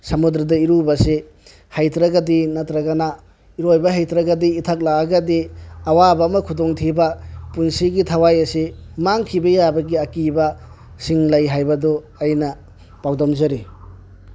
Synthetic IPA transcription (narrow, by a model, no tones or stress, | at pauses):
sɐmud̪ɾɐdɐiɾubɐse | hajtɾaɡɐdinɐtɾɐɡana | iɾojbɐɦajtɾɐɡɐdiːtʰak̚laaɡɐdiawabɐːmɐkʰudoŋtʰibɐpunsiɡitʰawajɐsemaŋkʰibɐjabɐɡiɐkibɐ | siŋlajɦajbɐdɔ | ajnɐ | pawdɔmzɐɾi